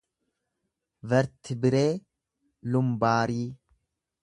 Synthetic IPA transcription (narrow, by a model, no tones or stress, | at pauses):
vɛɾt̪ɪbɪɾeː | lʊmbaːɾiː